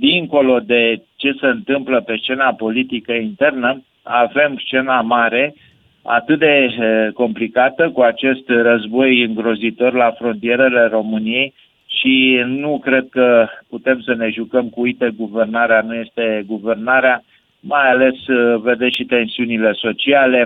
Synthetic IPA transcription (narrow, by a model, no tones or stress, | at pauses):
d̪iŋko̞lo̞d̪e̞t͡ʃe̞se̞ɨnt̪ɨmpləpe̞st͡ʃe̞napo̞lit̪ikəint̪e̞rnə | ave̞mst͡ʃe̞namaɾe̞ | a̰t̪ɨt̪̚d̪e̞ko̞mplikat̪əkuat͡ʃe̞st̪rəzbo̞jɨŋɡɾo̞zit̪o̞rlafɾo̞nt̪ie̞ɾe̞le̞ɾo̞mɨnije̞j | ʃinukɾe̞d̪̚kəput̪e̞msəne̞ʒukəmkuujt̪eɡuve̞rnaɾeanuje̞st̪e̞ɡuve̞rnaɾea | majale̞sve̞d̪eʃit̪e̞nsiunile̞so̞t͡ʃiale̞